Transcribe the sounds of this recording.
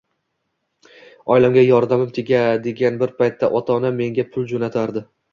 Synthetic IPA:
ɒjlamɡʲajɒɾd̪amɪmt̪ʰeɡʲad̪e̞ɡʲanbɪɾpʰajt̪ʰːaʔɒt̪ʰɒname̞ŋɡʲapʰʊlˠd͡ʒonat̪ʰaɾd̪ɪ

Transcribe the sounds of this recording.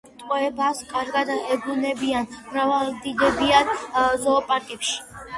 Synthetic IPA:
t̪ʼqʼɔɛbaskʼaɾɡad̪aɛɡunɛbianmɾavalˠd̪id̪ɛbianzɔːpʼakʼɛpʃi̥

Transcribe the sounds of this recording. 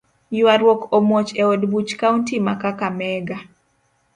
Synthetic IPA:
jʊwaɾwokomwot͡ʃeodbut͡ʃkauntimakakamɛɡa

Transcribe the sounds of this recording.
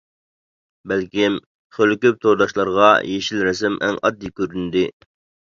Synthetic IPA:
bælkʲim | χølkʲyp̚t̪ʰoɾd̪ɑʃlˠɑɾʁɑjeʃilɾɛs̬ɪmʔɛ̰ŋɑ̰d̪ːikʲøɾynd̪ɪ

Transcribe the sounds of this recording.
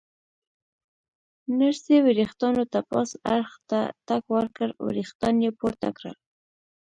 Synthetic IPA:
naɾsewɪɾixt̪ɑnot̪apɑ̰saɾxt̪a̰t̪akwəɾkəɾwɪ̰ɾixt̪ɑnjepoɾt̪a̰kɾə̰l

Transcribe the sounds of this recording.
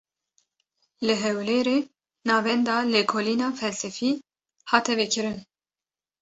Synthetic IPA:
lɨɦɛwleːɾeː | nɑːvɛnd̪ɑːlekʰoːliːnɑːfɛlsɛfiː | hɑːt̪ʰɛvekʰɨɾɨn

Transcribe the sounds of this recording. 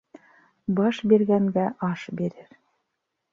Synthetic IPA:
bɑʃbiɾɡæŋɡæʔɑʃbiɾɘɾ

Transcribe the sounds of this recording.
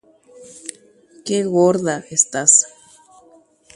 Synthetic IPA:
keɣoɾðaʔest̪as

